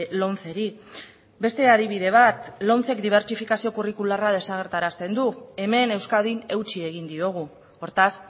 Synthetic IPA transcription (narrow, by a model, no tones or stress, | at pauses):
lo̞nt͡se̞ɾi | be̞st̪e̞að̞iβ̞iðe̞β̞at̪lo̞nt͡se̞kd̪iβ̞e̞ɾt͡ʃifikasio̞kurikularað̞e̞saɣ̞e̞ɾt̪aɾast̪e̞nd̪ue̞me̞ne̞wskaðine̞wt͡ʃie̞ɣ̞ind̪io̞ɣ̞u | o̞ɾt̪as